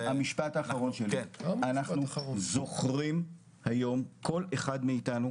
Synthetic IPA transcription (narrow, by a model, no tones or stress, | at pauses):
hamiʃpataːχaʁo̞nʃelianaχnuzo̞χʁim | hajo̞mkʰo̞leχadmeitanu